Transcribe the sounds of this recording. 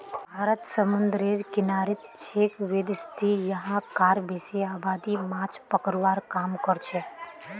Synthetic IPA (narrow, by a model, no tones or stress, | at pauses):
bʱaɾət̪səmund̪ɾeɾkinaɾit̪t͡ʃʰekʋed̪st̪ʰijəɦãkaɾbesiabad̪imãt͡ʃʰpəkəɾʋaɾkamkəɾt͡ʃʰɛ